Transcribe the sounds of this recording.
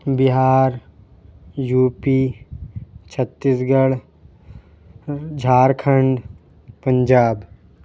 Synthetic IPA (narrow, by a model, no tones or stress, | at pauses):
bɪɦaːɾ | juːpiː | t͡ʃʰət̪ːisɡəɽ | d͡ʒʱaːɾkʰəɳɖ | pə̃ɲd͡ʒaːb